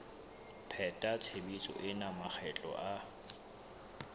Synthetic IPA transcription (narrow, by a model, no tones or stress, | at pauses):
pʰɛtʼat͡sʰebit͡sʼɔ̰ʔɪnamak͡xʰɛt͡ɬʼɔ̰ʔa